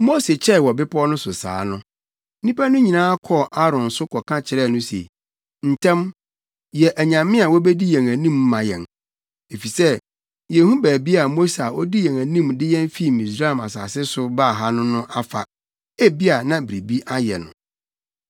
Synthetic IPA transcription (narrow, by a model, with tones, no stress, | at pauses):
mo˦se˨t͡ɕʰɛ˦˨wɔ˨bɪ˦pʰɔ˦nʊ̃˦sʊ˨sa̰ː˨˦nʊ̃˦ | nĩ˦pæ˦nʊ̃˦ɲĩ˨nãː˦a˦kʰɔ˦˨ʔa˦ɾɔ̃˨n̩˨sʊ˦kʰɔ˨kʰã˦t͡ɕʰɪ˨ɾɛ˦˨nʊ̃˦sḛ˨ | n̩˨tʰɛ̃˦m | jɛ˨ʔæ˨ɲã˨mɪ̃˦a˨wɔ˦bɛ˦di˦jɛ̃˨ŋæ˨nĩ˦˨mː˦ã˨jɛ̰̃˨n | e˨fi˨sɛ˦ | jɛ˨hũ˦bæː˨bi˦a˨mo˦sa˨ʔɔ˦di˦jɛ̃˨ŋæ˨nĩ˦mdɪ˦jɛ̃˦n˦fi˦˨mĩ˨sɾa˦˨ma˨sa̰ː˨sɪ˦sʊ˨baː˦˨ɦa˦nʊ̃˦nʊ̃˦ʔa˦fa̰˨ | æ˦bi˦a˨nã˦˨bɾi˨bi˦ʔa˦jɛ̰˨nʊ̰̃˨